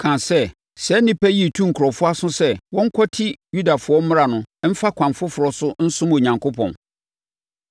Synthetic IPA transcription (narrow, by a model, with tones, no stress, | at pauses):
kʰã˨sɛ˦ | sɛ˨˦nɪ̃˦pæ˦ji˦˨tʰũ˦ŋ̩˨kʰʊ˨ɾɔ˨fʊ˦a˦sʊ̃˦sɛ˦wɔ̃˦ŋ̩˦kʷʰɔ˦tʰɪ˦ju˦da˨fʊ˨ɔ˦m̩˦mɪ̃˦ɾa˨nʊ̃˨m̩˦fa˦kʷʰã˨mfʊ˦fʊ˨ɾɔ˦sʊ˦n̩˦sʊ̃˦mo˨ɲã˨ŋkʰʊ˦pʰɔ̰̃˨n